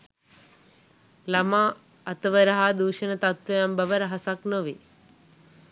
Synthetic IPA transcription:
lɐma | ɐt̪ɐʋəɾɐɦad̪uːʃɐnɐt̪at̪ʋɐjambɐʋɐɾɐɦɐsaknəʋi

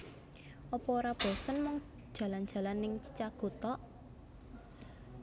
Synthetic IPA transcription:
ʔɔpɔoɾab̥ɔsɔnmɔŋ | d̥ʒ̥ä̤land̥ʒ̥ä̤lanːɪŋt͡ʃit͡ʃaɡ̥o̤t̪ɔʔ

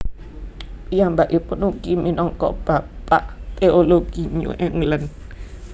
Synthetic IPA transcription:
jaŋbaʔipunukiminɔŋkɔ̰ʔb̥apaʔt̪eoloɡ̥iɲṵʔɛŋlən

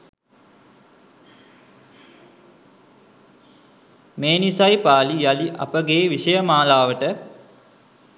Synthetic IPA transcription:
meːnisajpaːlijaliʔa̰pəɡeːʋiʃəjəmaːlaːʋəʈə

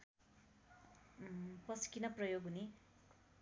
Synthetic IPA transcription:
pʌskinʌprʌjoɡɦuni

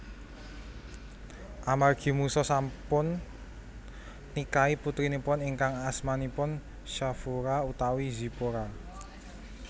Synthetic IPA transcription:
ʔamarɡ̥i̤musɔsampʊn | ikaiput̪ɾinipʊniŋkaŋasmanipʊn | ʃafuɾaut̪awizi̤poɾa

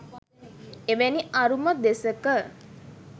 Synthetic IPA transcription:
eʋɛniʔaɾuməd̪esəkə

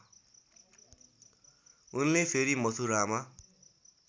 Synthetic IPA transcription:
unlepʰeɾimʌsʰuɾama

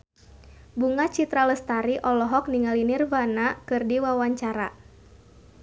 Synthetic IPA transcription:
buŋat͡ʃit̪ɾaləst̪aɾiʔɔlɔɦɔk̚niŋalinirvanakɨrdiwawaɲt͡ʃaɾa

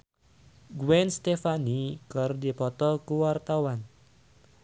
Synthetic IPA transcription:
ɡwɛnst̪efanikərdipɔt̪ɔkuwart̪awan

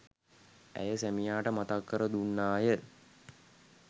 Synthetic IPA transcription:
æ̰jəsæmijaːʈəmat̪akːəɾəd̪unːaːjə

